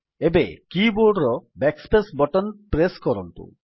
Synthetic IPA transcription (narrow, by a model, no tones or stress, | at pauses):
ebekiboɾɖɾɔbɛkspesbɔʈɔnpɾeskɔɾɔnt̪ṵ